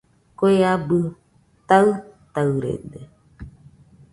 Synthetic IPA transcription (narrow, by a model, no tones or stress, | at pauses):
koeabɨ | t̪aɨt̪aɨɾḛde